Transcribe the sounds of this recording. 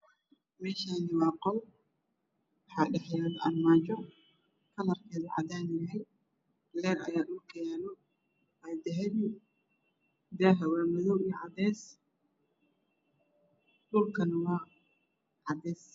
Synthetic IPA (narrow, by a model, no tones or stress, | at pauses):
mɛːʃaːnɪwɑːqɔl | wɑħɑːɖɛħjaːðɐʔɐnmaːt͡ʃɔ | kʰɐlɐrkʰɛːðɐʕɑ̰d̪aːnɪjɐɦɛj | lɛːɾɐ̰jaːɗʊlkʰɛːnɔ | ɐjd̪ɛɦɛj | d̪aːɦɐwaːmɔðɔwijʕɑd̪ɛːs | ɗʊlkʰɐnɐwɑː | ʕɑd̪ɛːs